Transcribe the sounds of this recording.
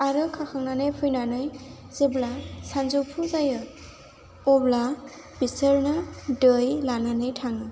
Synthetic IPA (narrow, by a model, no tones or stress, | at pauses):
aɾɯkʰakʰaŋnanɯjpʰɯjnanɯj | z̥eblasanzupʰuzajɯ | ɔbla | bisəɾnɯdɯjlananɯjtʰaŋɯ